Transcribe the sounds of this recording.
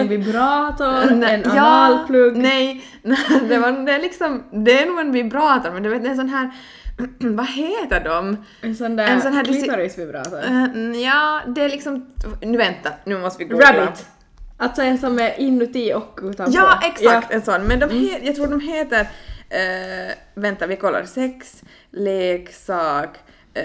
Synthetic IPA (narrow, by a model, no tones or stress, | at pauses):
ɛnvɪbɾɑːt̪ɔɾɛnjɑːlpʰlɵɡnɛj | nɛd̪ɛvad̪ɛæɾɭɪksɔmd̪ɛːɳuːɡɛnvɪbɾɑːt̪aɾmɛnd̪ɛveːt̪ɛns̬ɔnɦæːɾ | vaɦeːt̪əɖɔm | ɛnsɔnd̪æɛns̬ɔnɦæːɾd̪ɛɾsvɪbɾɑ̰ːt̪ɔjɑːd̪ɛæɭɪksɔmnʉ̟ːvɛnt̪ːanʉ̟ːmɔst̪əvɪɡɾabɪt̪ | ʔalt̪sɔɛnsɔmɛʔɪnːʉt̪iɔkːʉːt̪ajɑːʔɛksakt̪ɛnsɔnːmɛnd̪ɔmheːjɑɡt̪ʰɾuːɖɔmɦeːt̪əɾ | vɛnt̪aɾvɪkʰɔlːa̰ɾsɛks | leːksɑːk